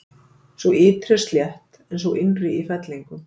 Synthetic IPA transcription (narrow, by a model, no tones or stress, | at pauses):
svɔɪːt̪ɾɛst̪ljɛht̪ | ɛnsɔʔɪnrɪifɛt̪liŋkʏ